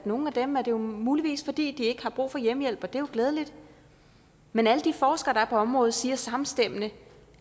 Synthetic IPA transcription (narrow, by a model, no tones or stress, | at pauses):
no̝ŋn̩æd̥emæɐd̥e̝jomuːliʋḭːsfɒ̽d̥ḭːd̥ie̝ɡ̥əhɑ̈b̥ʁṵːfɒ̽jemjel̰b̥ɒ̽d̥e̝joɡ̥lɛːð̞ˠəlid̥ | menæləd̥ifɒːsɡ̥ɐɾ̥ɑ̈æɐpʰɒ̽ɒ̽mʁɔ̽ːð̩ˠsiːɐsɑ̈mn̩sd̥em̰ənə